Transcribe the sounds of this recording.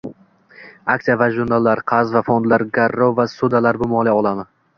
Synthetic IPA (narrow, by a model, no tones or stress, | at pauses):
ak̚t̪ijavaʒuɾnalˠːaɾqʰɑzvafond̪laɾɡaɾːovasud̪alaɾbʊmɒlˠiɒlˠamɪ